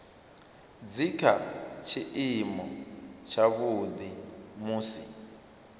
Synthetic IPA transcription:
d͡zikʰat͡ʃʰiʔimɔt͡ʃʰaβud̪imuːsḭ

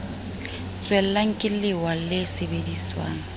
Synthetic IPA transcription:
t͡sʼwɛl̩laŋ̩kʼɪlɪwalɪsebediswa̰ːŋ̩

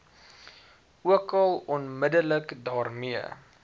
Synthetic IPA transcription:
uəkɐlˠɔnmədələkdɑːrmiə̰

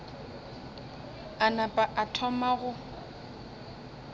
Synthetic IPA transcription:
anapʼaʔatʰɔmaɣʊ

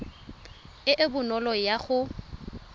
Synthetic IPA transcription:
ɪʔɪbʊnɔlɔjaχʊ

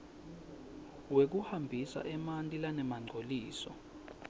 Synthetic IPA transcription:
wek̬uhambʱisa̰ʔɛmantʼilanɛmaŋ͡ǀʱoliːsɔ̰

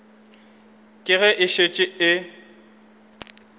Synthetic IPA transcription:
kʼɪɣɛʔɪʃet͡ʃʼɪɪ

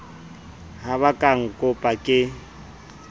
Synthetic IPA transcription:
haβakʼaŋ̩kʼʊpʼakʼɪ

